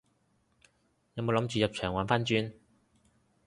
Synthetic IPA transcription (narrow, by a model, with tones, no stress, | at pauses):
jɐ˧wmo˨˧wlɐ˨˥mt͡ʃyː˨jɐ˨p̚t͡ʃʰœː˨˩ŋwaː˨˧˥nfaː˥nt͡ʃyː˥n